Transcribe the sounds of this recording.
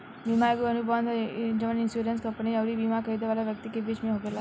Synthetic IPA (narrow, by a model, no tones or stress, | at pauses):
bimaeɡuənubʱəʋə̃nd̪d͡ʒəʋəninsuɾenskə̃mpəniəʋɾibimakəid̪eʋalaʋjək̚t̪ikebit͡ʃmẽɦoːɡela